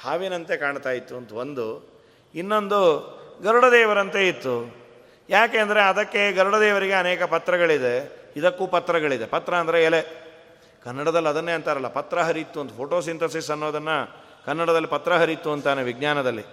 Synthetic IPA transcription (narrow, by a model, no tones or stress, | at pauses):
haːʋinɐnt̪e̞kaːɳt̪aːjit̪ːuɐnt̪uond̪u | inːo̞nd̪uɡɐɾuɽɐd̪ɛːʋɐɾɐnt̪e̞it̪ːu | jaːkeːnd̪ɐɾeɐd̪ɐkːe̞ɡɐɾuɽɐd̪ɛːʋɐɾiɡe̞ɐnɛːkɐpɐt̪ːɾɐɡɐɭid̪e̞id̪ɐkːuːpɐt̪ːɾɐɡɐɭid̪e̞pɐt̪ːɾɐɐːnd̪ɐɾeːle | kɐnːɐɽɐd̪ɐlːɐd̪ɐnːeːɐnt̪aːɾɐlːɐpɐt̪ɾɐɦɐɾit̪ːuɐnt̪upʰoːʈo̞ːsint̪ɐsisɐnːoːd̪ɐnːɐ | kɐnːɐɽɐd̪ɐlːipɐt̪ɾɐɦɐɾit̪ːuɐnt̪aːneʋiɡ̚ɲaːnɐd̪ɐlːḭ